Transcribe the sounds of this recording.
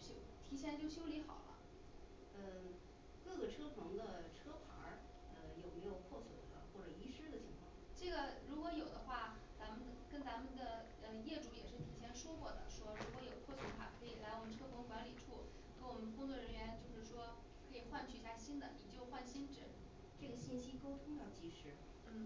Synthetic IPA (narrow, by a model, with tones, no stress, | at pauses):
ɕo˥˩t̪ʰi˧˥ɕ̬jɛ˥˧nt͡ɕjo˥˩ʊɕjo˥ʊli˧˥xɑ̰˨˩ʊlʔə̰˦ | ə˥˧ | kɤ˥˩ɡə˩ʈ͡ʂʰɤ˥pʰɤ˧˥ŋd̪ə˧ʈ͡ʂʰɤ˥pʰa̰˧˥ | ə˧jo˨˩ʊme˧˥ɪjo˨˩ʊpʰwɔ˥˩swɛ̰˨˩lə̰˦xwɔ˥˩ʈ͡ʂɤ˨˩i˥ʂɻ̩˥d̪ə˨t͡ɕʰi˧˥ŋkʰwɑ̰˥˩ŋʈ͡ʂɤ˥˩ɡə˩ɻu˧˥kwɔ˧˥jo˨˩ʊd̪ə˦xwa˥˩t͡sa˧˥mə˧˨n˨kə˥nt͡sa˧˥mə˨nd̪ə˨ | ə˧jɛ˥˩ʈ͡ʂu˧˥jɛ̰˨˩ʂɻ̩˥˩t̪ʰi˨˩ɕʰjɛ˧˥nʂwɔ˥kwɔ˥˩d̪ə̰˩ʂwɔ˥ɻu˧˥kwɔ˧˥jo˨˩ʊkʰwɔ˥˩swə˧˥npʰa̰˨˩kʰɤ˧˥i˨˩la˥˩wɔ˨˩mə˦nʈ͡ʂʰɤ˥pʰɤ˧˥ŋkwa˧˥nli˨˩ʈ͡ʂʰu˥˩ | kə˥nwɔ˨˩mə˦nkʊ˥ŋt͡swɔ˥˩ɻə˧˥nɥɛ˧˥nt͡ɕjo˥˧ʊʂɻ̩˥˩ʂwɔ˥ | kʰɤ˧˥i˨˩xwa˥˧nt͡ɕʰy˥˧i˧˥ɕja˥˩ɕi˥nd̪ə˨i˨˩t͡ɕjo˥˧ʊxwa˥˩nɕi˥nʈ͡ʂɻ̩˥˩ | ʈ͡ʂɤ˥˩ɡə˩ɕi˥˩nɕi˥ko˥ʊt̪ʰʊ˥ŋd̪ɑ˥˩ʊt͡ɕi˧˥ʂɻ̩˧˥ | n̩˥˩